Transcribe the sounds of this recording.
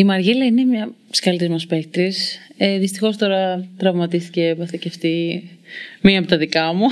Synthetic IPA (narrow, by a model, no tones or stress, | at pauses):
imɐɾʝelɐine̞mɲɐskɐlit̪izmɐspek̚t̪ɾiseðist̪i̥xo̞st̪o̞ɾɐt̪ɾɐvmɐt̪ist̪icepɐθiceft̪i | miɐpot̪ɐðikɐmu